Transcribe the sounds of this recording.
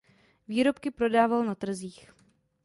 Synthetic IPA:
viːɾo̞pkɪpɾo̞daːvalnat̪r̩ziːx

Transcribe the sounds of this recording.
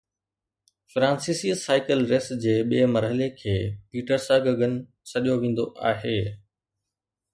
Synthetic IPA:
fɾãːnsiːsiːsaːɪkəlɾesd͡ʑeːɓiemɐɾɦəlekʰeːpiːʈəɾsaːɡəɡʱənɪ̆ | sɐɗijoʋẽːn̆d̪oʔaːɦeː

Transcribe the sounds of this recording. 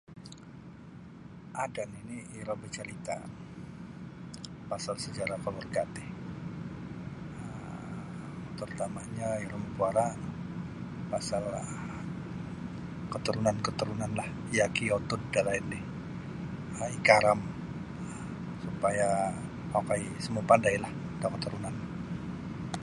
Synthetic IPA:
ʔadaniniiɾɔbət͡ʃəɾit̪a̰ | pasalsəd͡ʒaɾakalurɡat̪ɪh | ə | t̪urt̪amaɲaiɾɔməkuaɾa | pasal | kət̪əɾunankət̪əɾunanlah | jakiat̪ʊddalaɪnːɪh | əikaɾam | supaja | akaisəmupandajlaht̪akət̪uɾunan

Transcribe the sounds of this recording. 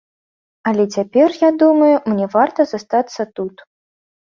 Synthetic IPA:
ɐlʲɛt͡sʲapʲɛrjad̪umɐjumnʲɛvart̪ɐzast̪at̪sːɐt̪ut̪

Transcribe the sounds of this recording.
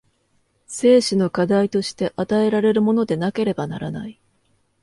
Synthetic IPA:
se̞ːɕino̞kad̪ait̪o̞ɕi̥t̪e̞ʔat̪ae̞ɾaɾe̞ɾɯ̟mo̞no̞d̪e̞nake̞ɾe̞banaɾanai

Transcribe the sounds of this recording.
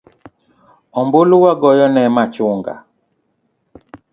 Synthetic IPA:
ɔmboluwaɡɔjɔnɛmat͡ʃuŋɡa̰

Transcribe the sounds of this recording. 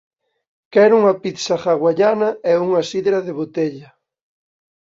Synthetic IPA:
kɛɾuŋɐpit̪saχaɣwaʎanɐɛuŋɐsiðɾɐðeβot̪eʎɐ

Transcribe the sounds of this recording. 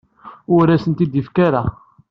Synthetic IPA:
ʊɾæsənt̪id̪ifkaɾa

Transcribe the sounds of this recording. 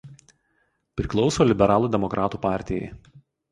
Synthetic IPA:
pʲɾʲɪklˠɒʊsoːlʲɪbʲɛɾɑːlˠuːd̪ʲɛmɔkɾʔɑːt̪uːpɑːˑɾʲt̪ʲɪjɛ̰ɪ

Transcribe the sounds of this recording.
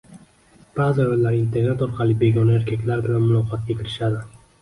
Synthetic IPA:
b̥aʁzɪjolːaɾint̪ʰe̞ɾnet̪ɒɾqʰɑlˠɪbe̞ɡʲɒnae̞ɾkʲʰakʲlaɾbɪlanmʊlˠɒqʰɒt̪̚ɡʲekʰʲɪɾɪʃad̪ɪ

